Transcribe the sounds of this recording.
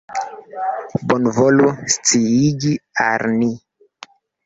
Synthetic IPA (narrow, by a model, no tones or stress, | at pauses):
bonvolust͡siiɡia̰lni